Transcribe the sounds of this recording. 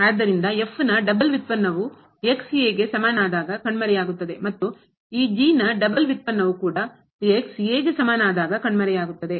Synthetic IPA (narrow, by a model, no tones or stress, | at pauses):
aːd̪ːɐɾind̪ɐefːnɐɖɐbɐlʋit̪̚pɐnːɐʋu | eksijeːɡe̞sɐmaːnaːd̪aːɡɐkɐɳːmɐɾɛjaːɡut̪ːɐd̪e̞mɐt̪ːu | iːd͡ʒiːnɐɖɐbɐlʋit̪̚pɐnːɐʋukuːɽɐ | eksjeːɡesɐmaːnaːd̪aːɡɐkɐɳmɐɾɛjaːɡut̪ːɐd̪e